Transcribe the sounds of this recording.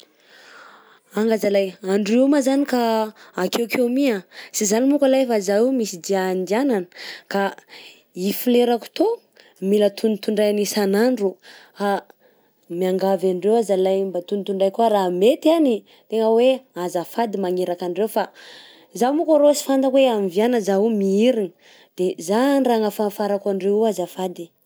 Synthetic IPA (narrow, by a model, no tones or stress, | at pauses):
aŋɡazalajaɳɖ͡ʐeumazanikaːkewkʰewmiasizanimukalajfazajumisid̪iand̪iananə̥ka | ifileɾaku̥t̪o | milət̪ʰunit̪uɳɖ͡ʐajanisanaɳɖ͡ʐuha | miaŋɡavaɳɖ͡ʐewazalajmbat̪unit̪uɳɖ͡ʐajkuaɾaɦmet̪ani | t̪eŋəweazafad̪imaŋeɾakaɳɖ͡ʐewfa | zawmukaɾosi̥fand̪akweamivianəzaumiiɾinə | d̪̥ezanraŋafafaɾakʷaɳɖ͡ʐeuazafad̪i